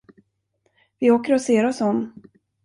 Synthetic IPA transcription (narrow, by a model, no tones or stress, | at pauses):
vɪoːkəɾɔseːɾɔsɔmː